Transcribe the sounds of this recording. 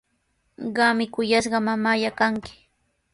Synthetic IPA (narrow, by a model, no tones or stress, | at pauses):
ɢɑmɪkʊjasɢɑmamajakaŋkɪ̥